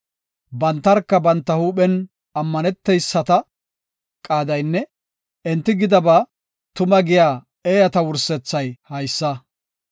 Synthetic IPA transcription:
bɐnt̪ːɐɾkːɐbɐnt̪ːɐhuːɓɛn | ɐmːɐnɛt̪ːɛjsːɐt̪ɐ | kʼaːd̪ɐjnːɛ | ɪnt̪ːɪɡɪd̪ɐbaː | t̪ʊmɐɡɪjaː | eːjɐt̪ɐwʊɾsɛt͡sːɐjhɐjsːɐ

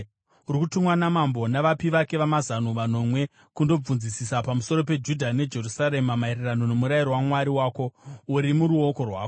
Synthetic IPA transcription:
uɾikutumwanamambo̞naʋapiʋake̞ʋamazanuʋano̞mwe̞ | kundo̞b͡vunzisisapamuso̞ɾo̞pe̞d͡ʒudʱane̞d͡ʒe̞rusaɾe̞mamairirano̞no̞muɾaiɾowamwaɾiwaːko̞uɾimuɾuo̞ko̞rwaːko

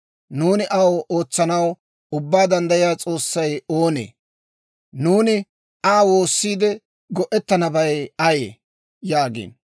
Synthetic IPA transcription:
nuːnɪʔɐwʔo̞ːt͡sːɐnɐw | ʊbːaːd̪ɐnd̪ɐjɪjaːt͡sʼo̞ːsːɐjo̞ːnḛː | nuːnɪ | ʔaːwo̞ːsːiːd̪ɛ | ɡɔʔɛt̪ːɐnɐbɐjɐjḛː | jaːɡḭːn

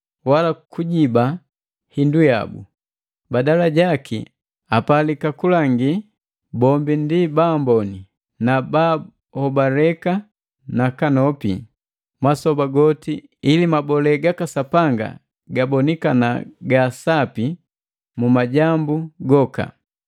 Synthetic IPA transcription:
walakuɟiba | hinduja̰bṵ | badalaɟakḭ | apalikakulaŋɡi | bɔmbindibambɔni | naba | hɔbalɛka | nakanɔpḭ | masɔbaɡɔti | ilimabɔlɛɡakasapaŋɡa̰ | ɡabɔnikanaɡasapi | mumaɟambuɡɔka̰

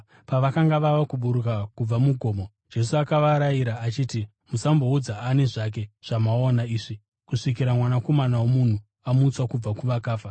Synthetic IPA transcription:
paʋakaŋɡaʋaʋakuɓuɾukakub͡vamuɡʱo̞ːmo̞ | d͡ʒe̞suakaʋaɾaiɾaʔːt͡ʃiːti | musambo̞ud͡zaane̞ʐak̬e̞ʐ̥amaonaiːʐi | kuʂik̬iɾamwanako̞manawomun̤u | amuːt͡swakub͡vakuʋakaːfa

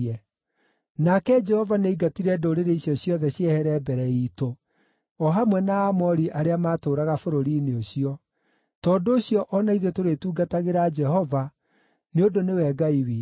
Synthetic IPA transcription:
ɛ | nakɛd͡ʒɛhɔvaneiɡatiɾɛdoːɾeɾeiɕjɔɕjɔðɛɕjɛhɛɾɛbɛɾɛito | ɔɦamwɛnaːmɔɾiʔaɾeamaːtoːɾaɣafoɾoɾineoɕijɔ | tɔːndoːɕiɔʔɔnaiðɛtoɾetuːɡataɣeɾad͡ʒɛhɔva | neodonewɛːɡaiwe

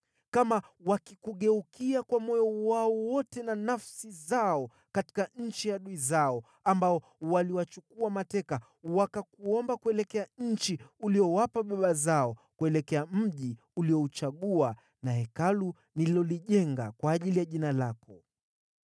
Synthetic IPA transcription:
kamawakikuɠɛukʰiakwamɔjɔwaɔwɔtɛnanafsizaɔ | kati̥kaɲ̩t͡ʃijaɗuizaɔ | ambaɔ | waliwat͡ʃukuamatɛka | wakakuɔmbakuɛlɛkɛaɲ̩t͡ʃiuliɔwapaɓaɓazaɔkuɛlɛkɛam̩ʄi | uliɔut͡ʃaɠua | nahɛkalu | niilɔliʄɛŋɡakwaːʄilijaʄinalakɔ

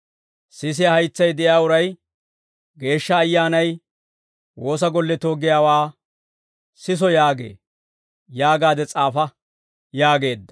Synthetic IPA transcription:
sɪs̬ɪjɐhɐjt͡sːɐjd̪ɛʔɪjaːʊɾɐj | ɡe̞ːʃːɐːjːaːnɐj | wo̞ːs̬ɐɡɔlːɛt̪o̞ːɡɪjaːwaː | sɪs̬ɔjaːɡḛː | jaːɡaːd̪ɛt͡sʼaːfɐ | jaːɡe̞ːd̪ːɐ̥

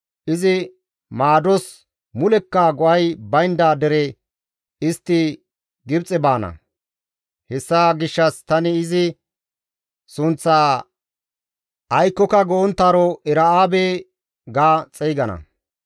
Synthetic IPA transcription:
ʔɪzɪ | maːd̪ɔs | mʊlɛkːaɡɔʔɐjbɐjnd̪aːd̪ɛɾɛ | ɪst̪ːɪ | ɡɪbt͡sʼɛbaːnɐ̰ | hɛsːaːɡɪʃːɐst̪ɐnɪːzɪ | sʊnt͡sːaː | ɐjkːɔkɐɡɔɔnt̪ːaːɾɔʔɛɾɐaːbeː | ɡaːt͡sʼɛjɡɐnɐ̰

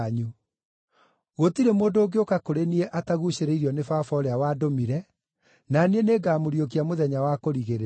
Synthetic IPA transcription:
ɲu | ɣotiɾemoːndoːɡeokakoɾenieʔataɣuɕeɾeiɾiɔnefafɔɾeawaːdomiɾɛ | nanieneːɡaːmoɾjok̬iamoðɛɲawakoɾiɣeɾ

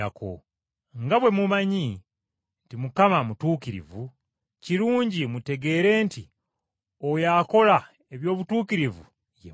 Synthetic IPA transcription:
akʰo̰ | ŋɡaβwe̞mumaɲi | ntimukamamutuːkiɾḭvu | ciɾuːɲɟimute̞ɡe̞ːɾe̞ːnti | ojaːko̞la | e̞βjo̞ːβutuːkiɾivṵ | jḛ

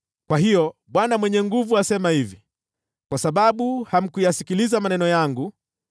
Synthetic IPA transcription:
kwaɦijɔɓwanamwɛɲɛŋɡuvuasɛmahivi | kwasaɓaɓuham̩kujasikilizamanɛnɔjaŋɡu

